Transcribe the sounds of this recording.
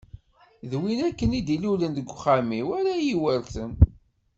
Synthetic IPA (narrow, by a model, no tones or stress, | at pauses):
ðwinækːənid̪ilulənd̪əɡʷːχamiwæɾæjiwəɾθən